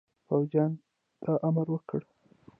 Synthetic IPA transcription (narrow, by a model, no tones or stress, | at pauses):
pawd͡ʒjɑn | t̪ʰaʔamaɾwəkəɽ